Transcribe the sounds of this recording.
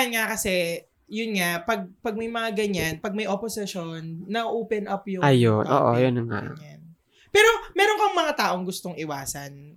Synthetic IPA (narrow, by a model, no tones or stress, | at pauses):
nŋakɐsɛ | jʊnŋapɐɡ̚pɐɡ̚mɐjmɐŋaɡɐɲanpɐɡ̚mɐjʔoposɪʃonːɐʔʔoːpɛnʔɐpjʊajonʔo̰ːʔo̰jʊnɐŋa̰ɲan | pɛːɾo̞mɛːɾonkɐŋmɐŋat̪aːʔo̞ŋɡʊst̪oŋɪwaːsɐn